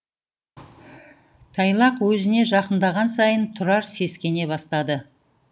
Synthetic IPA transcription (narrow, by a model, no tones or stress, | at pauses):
t̪ʰɑjlˠɑqwɵzɪne̞ʒɑqənd̪ɑʁɑnsɑjənt̪ʰʊɾɑɾse̞skʲe̞ne̞bɑst̪ɑd̪ə